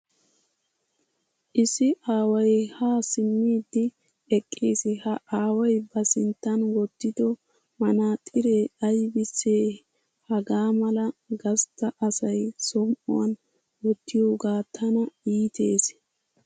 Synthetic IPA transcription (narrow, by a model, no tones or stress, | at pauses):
ʔɪsɪʔaːwɐjhaːsɪmːiːd̪ːɪ | ɛkʼːiːsɪhɐʔaːwɐjbɐsɪnt̪ːɐnwɔt̪ːɪd̪ɔ | mɐnaːt̪ʼɪɾeːɐjbɪsːeː | hɐɡaːmɐlɐɡɐst̪ːɐʔɐsɐjsɔmʔɔ̰wɐ̰n | wɔt̪ːɪjoːɡaːt̪ʰːɐnɐiːt̪ʰe̞ːs